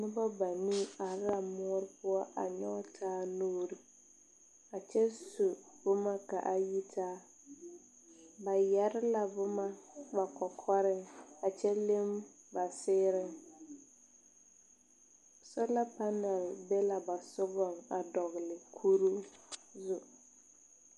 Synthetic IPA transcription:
nɪ˦ba˦ba˨ni˦a˨ɾɾa˨mʊ˦ɔ˦ɾɪ˦pʊ˦ɔ˦ʔa̰˨ɲɔ˦tʰaː˦noː˦ɾɪ˨ | a˨t͡ʃɛ˦su˨b̥ʊ˦ma˦ka˨ʔa˦ji˦tʰaː˦ | ba˨jɛ˨ɾɪ˦la˨bʊ˦ma˦ba˨kɔ˨kʰɔ˦ɾɪ˦ŋa˨t͡ʃɛ˦le˦m | ba˨sɪː˦ɾɪ˦ŋ | sɔ˦la˦pa˦nɛ˨lbe˦la˨ba˨sʊ˦ɡɔ˨ŋa˨dɔ˨ɣlɪ˨kʰu˦ɾu˦zʊ˨

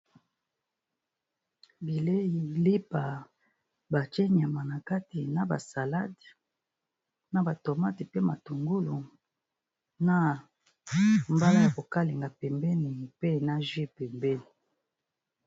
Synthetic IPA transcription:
bi˨le˦ji˨li˦pa˨ | ba˨t͡ʃe˦ɲ˨a˨ma˨na˨ka˦ti˨na˨ba̰˨sa˨la˦d | na˦ba˨to˨ma˦ti˨pe˦ma˨tu˨ŋɡu˦lu˨ | na˦ | mba˦la˦ja˨ko˨ka˦le˨ŋɡa˨pɛ˨mbɛ˦ni˨pe˦na˦ʒi˦˨pɛ˨mbɛ˦ni˨

